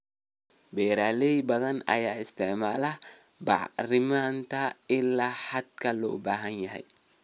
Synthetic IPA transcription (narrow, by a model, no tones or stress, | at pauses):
bɛːɾaːlɛjbɐðɐnɐ̰jaːɪst̪ʰɪʕmaːlɐ | bɑ̰ʕrɪmant̪ʰɐɪlːaːħad̪kʰɐlɔ̰ːbaːɦɐnjɐɦɛ̰j